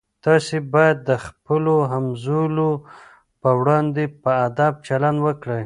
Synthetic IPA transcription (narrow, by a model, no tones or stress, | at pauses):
t̪ɑsebɑjad̪ːəxpəloɦamzulo | pəwɽɑnd̪epəad̪ab̚t͡ʃaland̪wəkɽəj